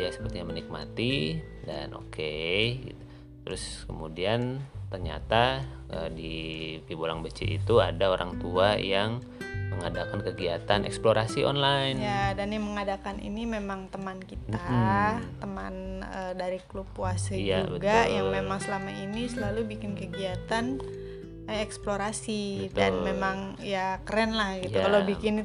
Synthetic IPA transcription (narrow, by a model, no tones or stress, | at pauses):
jasə̥pərt̪iɲamənik̚ma̰t̪i | da̰nʔo̰kʰeḭ | t̪əɾʊskəmudiant̪ərɲa̰t̪aədipibolaŋbət͡ʃḭʔḭt̪uadaoɾʔa̰ŋt̪uajaŋ | məŋadakankəɡiat̪anɛ̰ksploɾasiʔɔ̰nlajnjadanjaŋməŋadakanḭnimemaŋt̪əmankit̪at̪əmanədaɾiklupuasəjaubəɡ̪ajaŋmemaŋsəlamainisəlalubikɪnkəɡiat̪an | ɛksploɾasid̪anmemaŋjakəɾɛnlahɡit̪ukalabikɪn